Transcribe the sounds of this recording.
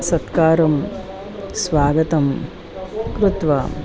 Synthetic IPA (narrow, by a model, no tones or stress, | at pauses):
sɐt̪kaːɾɐm | sʋaːɡɐt̪ɐm | kɾɪt̪ʋa̰